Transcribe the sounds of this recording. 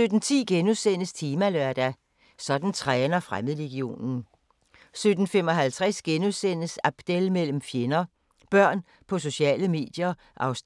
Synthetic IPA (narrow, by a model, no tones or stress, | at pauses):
ød̥n̩t͡sʰḭːɡ̥enusen̰əst͡sʰiːmælœɐ̰d̥æ | sɒ̽d̥n̩t͡sʰʁanɐfʁaməð̩ˠleɡ̥io̝̰ːnn̩ | sød̥n̩femɒ̽ɦælt͡sʰʁasɡ̥enusen̰əsæb̥d̥elmel̰m̩fjenɐ | b̥ɶɐ̰n | pʰɒ̽s̬o̝ɕɛ̰ːləme̝̰ːd̥jɐ | ʔɑ̈ʊs